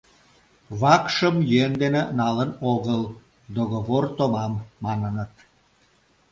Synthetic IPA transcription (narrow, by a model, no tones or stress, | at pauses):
βɑkʃəmjend̪enenɑlənoɣəl | d̪oɣoβort̪omɑmːɑnənət̪